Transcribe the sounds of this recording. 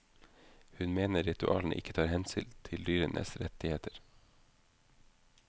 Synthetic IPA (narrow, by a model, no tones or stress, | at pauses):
hʉnmeːnəɾɪt̪ʉʔɑ̰ːln̩ʔɪ̰kə̥t̪ʰɑːɾhɛnsʏlt̪ʰɪld̪yːɾənʔə̰sɾɛt̪ɪheːt̪ʰəɾ